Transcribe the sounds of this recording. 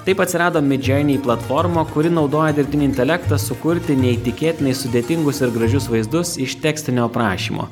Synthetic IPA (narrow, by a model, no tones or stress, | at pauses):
t̪ɐɪpɐt̪ʲsʲɪɾɑːd̪oːmʲɪd͡ʒʲɛɪnʲiːplˠɐt̪fɔɾmoːkʊɾʲɪnɒʊd̪oːjɛd̪ʲɪɾʲpʲt̪ʲɪnʲːɪnʲt̪ʲɛlʲæːkt̪ɐsʊkʊɾʲt̪ʲɪnʲɛit̪ʲɪkʲeːt̪ʲɪnɐɪssʊd̪ʲeːt̪ʲɪŋɡʊsɪɾɡɾɐʒʲʊsʋɐɪzd̪ʊsɪʃt̪ʲæːksʲt̪ʲɪnʲoːpɾɑːʃʲḭːmʔo̰ː